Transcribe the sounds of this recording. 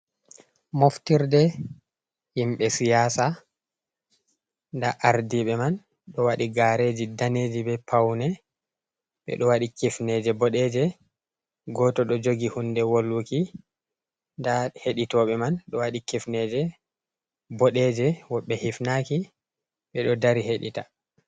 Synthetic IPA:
moftiɾdɛ | himɓɛsijaːsa | ndaʔaɾdiɓɛman | ɗɔwaɗiɡaɾed͡ʒidaneːd͡ʒiɓɛpʰawnɛ | ɓɛ̰ɗɔwaɗikifnɛd͡ʒɛbɔɗɛd͡ʒɛ | ɡɔtɔɗɔd͡ʒoɡihundɛwolːuki | ndaheɗitɔɓɛmanɗɔwaɗikifnɛd͡ʒɛ | bɔɗɛd͡ʒɛwɔɓːɛhifnaki | ɓɛɗɔdaɾiheɗḭta

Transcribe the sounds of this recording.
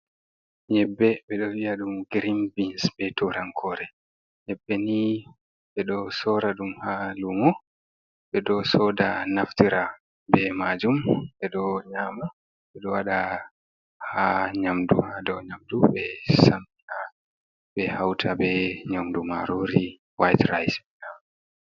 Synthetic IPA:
ɲɛbːɛɓɛɗɔwiaɗumɡɾimbinsbɛtʰuɾaŋkʰɔɾɛ | ɲɛbːɛni | ɓɛɗɔsɔɾaɗumhalumɔ | ɓɛɗɔsɔdanaftiɾa | bɛmad͡ʒumɓɛɗɔɲama | ɓɛɗɔwaɗa | haɲamdṵhadɔwɲamduɓɛsambiha | ɓɛhawtʰabɛɲamduma̰ɾoɾi | wajtɾajsɓɛɲa

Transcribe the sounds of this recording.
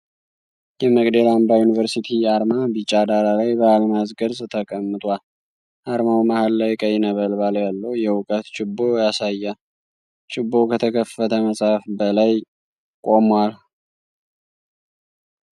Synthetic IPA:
jɛməɡd̪əlambajunivəɾsit̪ʰiaɾmabit͡ʃʼːad̪aɾalajbəalmazɡəɾst̪ʰəkʼəmːɨt̪ʼwal | ʔaɾmawmahalːajkʼəjɪnəβəlbaljalːəwjɛwʊkʼət̪t͡ʃʼɪbːo̞jasajːa | t͡ʃʼɪbːo̞kʰət̪ʰəkʰəfːət̪ʰəməsʼafbəlaj | kʼo̞mwal

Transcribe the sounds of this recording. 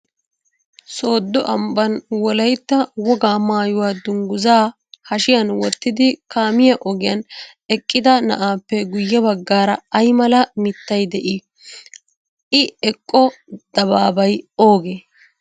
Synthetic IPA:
so̞ːd̪ːɔʔɐmbɐnwɔlɐjt̪ːɐwɔɡaːmaːjʊwaːd̪ʊŋɡʊzaː | hɐʃɪjɐnwɔt̪ːɪd̪ɪkaːmɪjɐʔɔɡɪjɐn | ɛkʼːɪd̪ɐnɐ̰ʔaːpːɛɡʊjːɐbɐɡːaːɾɐɐjmɐlɐmɪt̪ːɐjd̪ɛʔɪ | ʔɪɛkʼːɔd̪̥ɐbaːbɐjo̞ːɡeː

